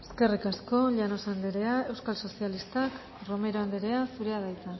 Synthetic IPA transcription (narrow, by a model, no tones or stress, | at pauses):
eske̞rikasko̞ʎano̞sand̪eɾe̞ae̞wskalso̞sialist̪ak | ro̞me̞ɾo̞and̪eɾe̞asuɾe̞aðajt͡s̪a